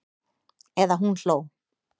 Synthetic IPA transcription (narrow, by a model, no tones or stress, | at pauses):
eðaɦũnɬow